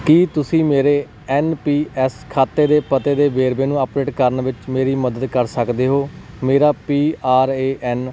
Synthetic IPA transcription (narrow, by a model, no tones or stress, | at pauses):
kiːt̪ʊsĩːmeːɾeː | ɛːnpiːʔɛːskʰaːt̪ːeːd̪eːpət̪eːd̪eːʋeːɾʋeːnũːəpɖeːʈkəɾnʋɪt͡ʃmeːɾiːməd̪əd̪kəɾsəkd̪eːɦoː | meːɾaːpiːaːɾeːʔɛːn